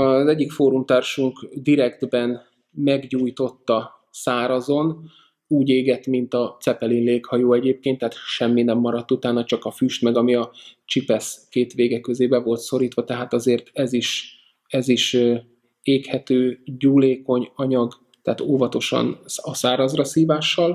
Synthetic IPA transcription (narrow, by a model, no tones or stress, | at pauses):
ɒzɛɟːikfoːɾumt̪aːrʃuŋkd̪iɾɛɡd̪bɛn | mɛɡɟuːjt̪o̞t̪ːɒ | saːɾɒzo̞n | uːɟeːɡɛt̪mint̪ɒt̪sɛpɛlinleːkhɒjoːɛɟeːp̚keːnt̪ːɛhaːt̪ʃɛmːinɛmːɒɾɒt̪ːut̪aːnːɒt͡ʃɒkɒfyːʃt̪mɛɡɒmiɒt͡ʃipɛskeːt̪ʋeːɡɛkːøzeːbɛvo̞lt̪so̞ɾiːt̪ʋɒt̪ɛɦaːt̪ɒzeːrt̪ɛziʃ | ɛziʃ | eːkhɛt̪øːɟuːleːko̞ɲɒɲɒɡ | t̪ɛːt̪oːvɒt̪o̞ʃɒ̰nɒsaːɾɒzrɒsiːvaːʃːɒl